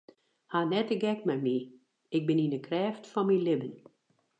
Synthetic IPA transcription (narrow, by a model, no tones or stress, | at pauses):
hanɛtəɡɛk̚mɛmi | ɪk̚bɪninəkrɛːftfɔnmilɪbən